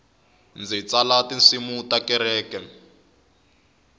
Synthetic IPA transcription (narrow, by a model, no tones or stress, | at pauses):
nd͡zit͡salatin̩simutakɛɾɛːkɛ